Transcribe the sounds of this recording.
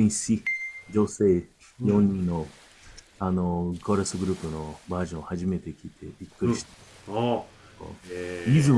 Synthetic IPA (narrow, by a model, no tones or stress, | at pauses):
ĩsid͡ʑose̞ː | jõ̞ɲ̟ːĩnnːo̞ | anoɡoɾasɨɡɯ̟ɾɯ̟pɯno̞baːʑõohaʑime̞t̪e̞kʲit̪ʰe̞̰bʲikːɯɾiɕi̥t̪a | ko̰izɨ